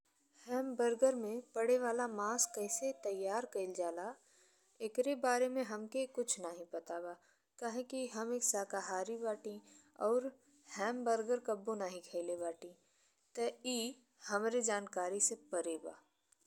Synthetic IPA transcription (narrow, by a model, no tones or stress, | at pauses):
hɛːmbəɾɡəɾmẽpɐɽeʋaːlamaːskəɪset̪ɐjːaːɾkɐɪld͡ʒaːla | ekɾebaːɾemẽɦɐmkekʊt͡ʃʰnaɦĩpɐt̪aːbaː | kaɦẽkiɦɐmeːksaːkaɦaːɾibaːʈĩ | ɔːɾ | hɛ̃ːmbəɾɡəɾkəbːonaɦĩkʰɛːlebaːʈĩ | t̪əiː | hɐmɾed͡ʒaːnkaːɾisepəɾeːba̰ː